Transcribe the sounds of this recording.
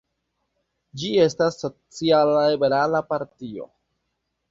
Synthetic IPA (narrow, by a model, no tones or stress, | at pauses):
d͡ʒie̞stasːo̞t͡sialaibe̞ɾalapaɾtio̞̰